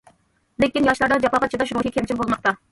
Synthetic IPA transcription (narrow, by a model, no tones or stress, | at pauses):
lekʲinjɑʃlˠɑɾd̪ɑd͡ʒɑpɑqɑt̪t͡ʃʰɑd̪ɑʃɾoʃikʰʲemt͡ʃʰimbolˠmɑq̚t̪ɑ